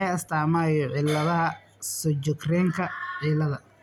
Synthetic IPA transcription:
ɛɐst̪ʰaːmaːjɔʕɪlːɐðɐɦɐ | sɔt͡ʃɔkrɛːŋkʰɐʕɪlɐðɐ

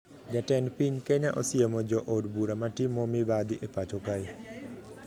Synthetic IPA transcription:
d͡ʒatɛnpiɲkeɲaʔɔsɪemɔd͡ʒɔʔodbuɾamatɪmɔmɪbad̪iʔepat͡ʃokai

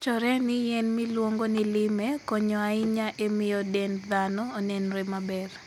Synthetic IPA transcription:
t͡ʃɔɾɛnɪjɛnmɪlwoŋɡonɪlɪmekɔɲɔaɪɲaʔemɪjɔdɛnd̪anɔːnɛnɾɛmabɛr

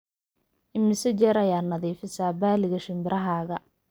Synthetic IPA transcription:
ʔɪmɪsɐd͡ʒɛːɾɐjaːnɐðiːfɪsaːbaːlɪɣɐʃɪmbɪɾʔɐɦaːɣɐ

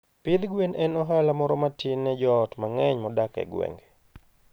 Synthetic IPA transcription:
pilɡwenʔɛnɔɦalamɔɾɔmatʰinːɛd͡ʒɔːtmaŋɛɲmɔdakɛ̰ɡwḛŋɡe

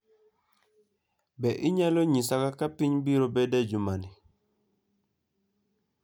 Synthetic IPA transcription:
bɛʔiɲaloɲisakakapiɲbiɾobɛdɛd͡ʒumani

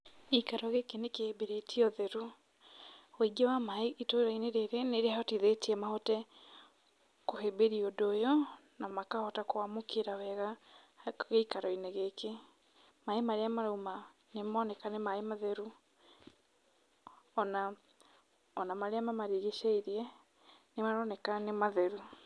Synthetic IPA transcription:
eikaɾɔɣekenekehebeɾetʰiɔðɛɾu | weɡawamaeitoɾaineɾeɾeneɾehaɔtiðetiɛmahɔtɛ | kohebeɾiodoːjɔnamakahɔtakoamokeɾawɛɣa | ɣeikaɾɔineɣeke | maemaɾeamaɾoma | nemɔnɛkanemaemaðɛɾu | ɔna | ɔnamaɾeamamaɾiɣeʃaiɾiɛ | nemaɾɔnɛkanemaðɛɾu

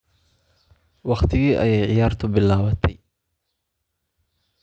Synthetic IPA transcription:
wɑχt̪ʰɪɣiːʔɐ̰jɛjʕɪjaːrt̪ʰʊbɪlaːwɐt̪ʰɛj

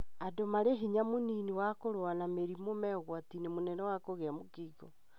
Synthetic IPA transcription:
adomaɾeɦiɲamoniniwakoɾoanameɾimomɛɣwatinemonɛnɛwakoɣeamokiːɣɔ

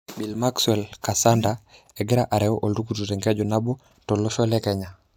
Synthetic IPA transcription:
bilmakswelkasanda | eɡeɾaʔaɾɛwoʔoldukutuɾeŋɡed͡ʒɔnabo | toloʃolekeɲa

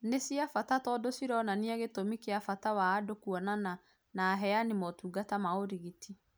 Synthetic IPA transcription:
nesiafatatɔdosiɾɔnaneɛɣetomikeafatawaːdokuɔnana | naɦɛanemɔtuːɡatamaoɾiɣiti

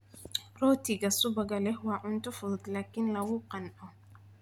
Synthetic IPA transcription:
rɔːt̪ʰɪɣɐsʊbɐɣɐlɛhwɑːʕʊnt̪ʰɔfʊðɔd̪laːkʰɪnlɐwuqɑnʔɔ

